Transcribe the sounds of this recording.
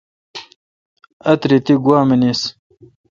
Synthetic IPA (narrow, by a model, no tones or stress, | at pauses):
ɐt̪ɾit̪iɡwaːmenis